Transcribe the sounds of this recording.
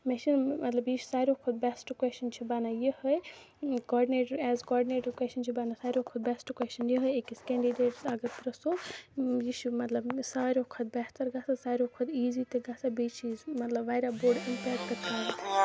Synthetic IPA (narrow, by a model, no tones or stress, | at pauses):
mɛʃinmɐt̪lɐbjiʃu̥saːɾʲokʰʊd̪̚bɛsʈkweʃt͡ʃɐnt͡ʃʰibanajəhəj | kɔːɖineːʈəɾɛːzkɔːɖineːʈɐɾkwest͡ʃɐnt͡ʃʰibanasaːɾokʰʊd̪̚bɛsʈkwest͡ʃɐnjəɦəjekiskɛ̃ːɳɖiɖeːʈsɐɡɐɾpɾɐsojiʃumɐt̪lɐbsaːɾʲokʰud̪̚bɛht̪ɐɾɡaːsasaːɾʲokʰud̪iːzit̪ɨɡasabet͡ʃʰizmɐt̪lɐbʋaːjɾaboːɾɖimpɛːkʈk̪ɐkaːɾ